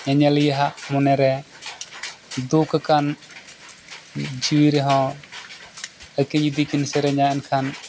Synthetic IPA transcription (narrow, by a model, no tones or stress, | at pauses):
ɲaɲalijaɦaʔmɔnɛɾɛ | d̪ukkan | d͡ʒiwiɾɛɦɔ̃ | əkiɲid̪ikinsɛɾɛɲaʔɛnkʰan